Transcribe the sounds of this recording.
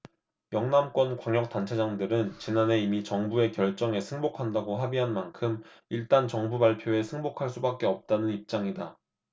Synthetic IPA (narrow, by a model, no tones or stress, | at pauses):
jʌŋnamk͈wʌnkwaŋjʌk̚t͈ant͡ɕʰed͡ʑaŋdɯɾɯnt͡ɕinane̞imit͡ɕʌŋbue̞kjʌɭt͡ɕ͈ʌŋe̞sʰɯŋbokʰandaɡoɦabiɦanmankʰɯm | iɭt͈ant͡ɕʌŋbubaɭpʰjoe̞sʰɯŋbokʰaɭs͈ubak͈e̞ʌp̚t͈anɯnip̚t͡ɕ͈aŋida